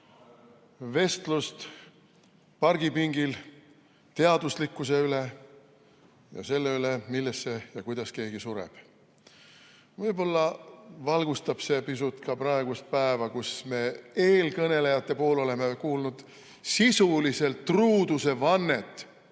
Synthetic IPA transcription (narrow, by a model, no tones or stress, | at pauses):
ve̞st̪lust̪ | pɑrɡ̥ipiŋɡ̥il | t̪e̞ɑd̪̥uslikːˑus̬e̞yle | jɑ̰se̞lːe̞ylemilːesːejɑkujd̪̥ɑske̞ːɡ̥isuɾḛb̥ | vɤjbo̞lːɑvɑlɡ̥ust̪ɑb̥se̞pisut̪ˑkɑprɑeɡ̥ust̪̚pæevɑkusme̞ːe̞ːlkɤne̞le̞jɑt̪ːe̞po̞ːlo̞le̞mekuːlnud̪̥ | sisulise̞lt̪ːruːd̪use̞vɑnːe̞t̪ːˑ